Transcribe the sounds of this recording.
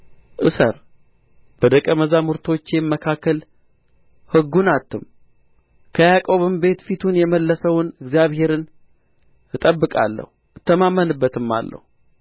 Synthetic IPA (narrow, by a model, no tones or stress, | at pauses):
ʔɨsə̰ɾ | b̥əd̪əkʼəməzamuɾt̪ʰo̞t͡ʃːjɛmːəkʰakːəl | hɨɡːunat̪ːɨm | kʰəjakʼo̞βɨmbe̞t̪fit̪ʰunjɛməlːəsəwʊnɨɡzjaβhe̞ɾɨn | ɨt̪ʼəbːɨkʼa̰lːə̰hu | ɨt̪ʰːəmamːənɨbːət̪ɨmːa̰lːə̰hu